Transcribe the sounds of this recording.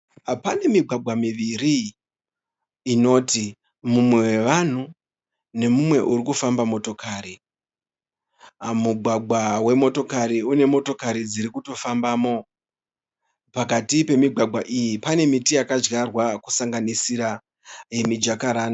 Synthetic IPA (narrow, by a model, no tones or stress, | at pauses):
apane̞miɡʱwaɡʱwamiʋiɾi | no̞ːti | mumwe̞we̞ʋan̤u | ne̞mumwe̞ʔuɾikufambamo̞to̞kaːɾi | muɡʱwaɡʱwawe̞mo̞to̞kaɾiune̞mo̞to̞kaɾid͡ziɾikuto̞fambaːmo̞ | pakatipe̞miɡʱwaɡʱwaʔijipane̞mitijakad͡ʒɡarwakusaŋɡanisiɾa | jemid͡ʒakaɾaːna